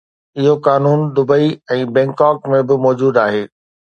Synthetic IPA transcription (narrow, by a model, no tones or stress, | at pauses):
ɪɦokaːnuːnd̪ʊbəiɛ̃ːbɛ̃ːŋkaːkmẽbɪmɔːd͡ʑuːd̪aːɦeː